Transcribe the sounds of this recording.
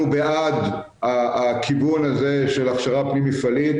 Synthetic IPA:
ubead | aːkʰivunazeʃelaχʃaʁapnimifalit̪

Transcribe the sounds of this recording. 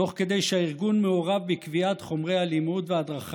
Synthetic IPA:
o̞χke̞d̪e̞jʃehaiʁɡunmeoʁavbikviat̪χo̞mʁejhalimut̪vead̪ʁaχ

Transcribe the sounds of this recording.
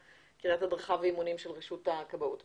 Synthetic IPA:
kiʁathadʁaχaveimunimʃelʁeʃutakabaut

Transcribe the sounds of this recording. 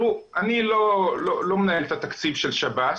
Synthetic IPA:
uʔanilololomenaelt̪at̪akt͡sibʃelʃabat̪

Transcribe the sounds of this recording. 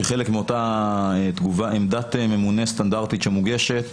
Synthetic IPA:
eχelekmeo̞taet̪ɡuvaemd̪at̪me̞munest̪and̪aʁt̪it̪ʃemuɡeʃet̪

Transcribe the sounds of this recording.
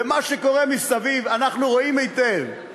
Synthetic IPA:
emaʃeko̞ʁemisavivanaχnuʁo̞imejt̪ev

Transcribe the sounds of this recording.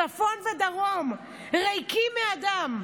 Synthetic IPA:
afo̞nved̪aʁom | ʁejkimead̪am

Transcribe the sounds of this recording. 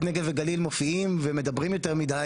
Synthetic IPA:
neɡeveɡalilmofiimveme̞d̪abʁimjo̞t̪eʁmid̪a

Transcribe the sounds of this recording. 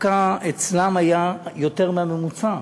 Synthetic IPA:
kaet͡slamajajo̞te̞ʁmeame̞mut͡sa

